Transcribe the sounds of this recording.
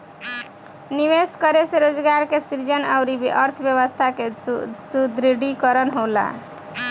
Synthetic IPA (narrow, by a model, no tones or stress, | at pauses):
niʋeskəɾeseɾod͡ʒɡaɾkesiɾd͡ʒənaʊɾibʌɾt̪ʰbjəβəst̪ʰakesud̪ɾiɽikəɾənɦola̰